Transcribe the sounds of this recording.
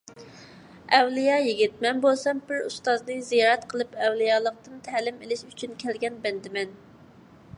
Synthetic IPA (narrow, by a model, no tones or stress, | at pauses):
ɛwlijɑjiɡʲit̪̚mɛnbolˠsɑmbɪɾust̪ɑznɨzijɑːɾɛt̪qʰəlˠɨpɛwlˠijɑːlˠəq̚t̪ɨnt̪ʰælɪmelɪʃyt͡ʃʰynkʲʰɛlɡʲɛnbɛnd̪ɪmɛn